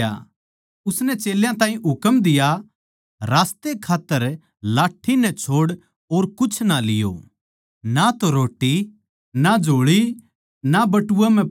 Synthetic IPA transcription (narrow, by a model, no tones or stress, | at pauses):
a̰ | ʊsnɛt͡ʃeːljãt̪ãːɦĩɦʊkəmd̪ɪja | ɾaːst̪ekʰaːt̪ːəɾ | laːʈʰːinɛt͡ʃʰoːɽ | oːɾkʊt͡ʃʰnalɪjo̰ | nat̪oɾoːʈːi | nad͡ʒʱoːɭi | nabɐʈʊwam̤ɛ̃